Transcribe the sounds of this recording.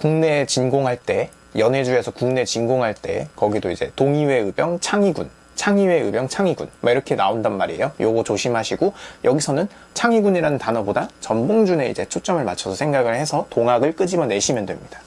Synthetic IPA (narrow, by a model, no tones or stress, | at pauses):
kuŋne̞t͡ɕinɡoŋɦaɭt͈e̞ | jʌne̞d͡ʑuesʰʌkuŋne̞t͡ɕinɡoŋɦaɭt͈e̞̰kʌɡidoid͡ʑe̞̰toŋiwe̞ɯbjʌŋt͡ɕʰaŋiɡun | t͡ɕʰaŋiwe̞ɯbjʌŋt͡ɕʰaŋiɡṵnwaiɾʌkʰe̞naondanmaɾiḛjojoɡot͡ɕoɕʰimɦaɕʰiɡojʌɡisʰʌnɯn | t͡ɕʰaŋiɡuniɾanɯntanʌbodat͡ɕʌmboŋd͡ʑune̞ḭd͡ʑe̞t͡ɕʰot͡ɕ͈ʌmɯɭmat͡ɕʰʌsʰʌsʰe̞ŋɡaɡɯɭhe̞sʰʌtoŋɦaɡɯɭk͈ɯd͡ʑimjʌne̞ɕʰimjʌndwe̞mɲid̥ḁ